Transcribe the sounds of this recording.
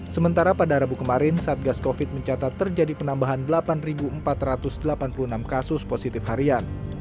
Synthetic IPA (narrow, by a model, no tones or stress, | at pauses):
səmənt̪aɾapadaɾabukəmaɾɪnsaːt̪̚ɡaskofɪt̪̚məɲt͡ʃat̪at̪ːərd͡ʒadipənambaɦandəlapanribuəmpat̪rat̪ʊsdəlapanpuluənamkasʊsposit̪ɪfhaɾian